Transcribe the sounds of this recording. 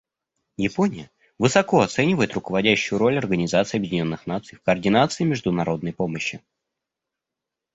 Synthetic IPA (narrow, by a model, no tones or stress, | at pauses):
jɪponʲɪjə | vɨsɐko̞ɐt̪sɛnʲɪvəjɪt̪rʊkəvɐdʲæɕːʊjʊɾo̞lʲɐrɡənʲɪzat̪sɨːɐbjɪdʲɪnʲo̞nːɨxnat̪sɨjfkɐːrdʲɪnat̪sɨɪmʲɪʐd̪ʊnɐɾo̞d̪nəjpo̞məɕːɪ